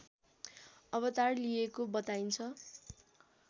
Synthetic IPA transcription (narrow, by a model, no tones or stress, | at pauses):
ʌβʌt̪arlijekobʌt̪aint͡sʰʌ